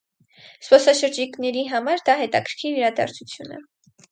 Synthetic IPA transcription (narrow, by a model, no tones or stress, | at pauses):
spɔsɑʃəɾd͡ʒiknɛɾiɦɑmɑɾd̪ɑɦɛt̪ɑkʰəɾ̥kʰiɾiɾɑd̪ɑ̰ɾt͡sʰut͡sʰjunə̰